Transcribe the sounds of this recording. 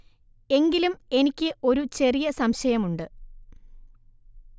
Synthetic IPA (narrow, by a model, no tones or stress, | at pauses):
e̞ŋɡilume̞nikʲːɨʔo̞ɾut͡ɕe̞rijɐsɐmɕɐjɐmuɳɖɨ